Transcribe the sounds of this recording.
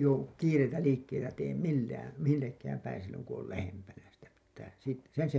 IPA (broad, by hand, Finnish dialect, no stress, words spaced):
jouwu kiːreitæ liːkːeitæ teːm milːæːn̞ milːekːæːm pæin silːoŋ ku ol læhempænæ sitæ pitːæː sit sen se